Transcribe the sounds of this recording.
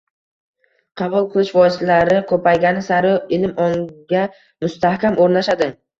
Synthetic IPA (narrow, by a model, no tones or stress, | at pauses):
qʰɑbʊlˠqʰɨlˠɪʃvɒslaɾɪkʰɵpajɡʲanɪsaɾɪɪlɪmɒŋɡʲa | mʊst̪ahkʲamʔoɾnaʃad̪ɪ